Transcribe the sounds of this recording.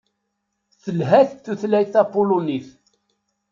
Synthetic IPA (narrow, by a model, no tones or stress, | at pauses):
θəlɦæθθuθlæjθæpːʊluniθ